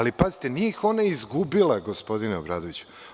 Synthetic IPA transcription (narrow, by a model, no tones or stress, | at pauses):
lipazit̪enieixo̞naizɡubileɡo̞spo̞d̪ineobɾa̰ːd̪oʋit͡ɕu̥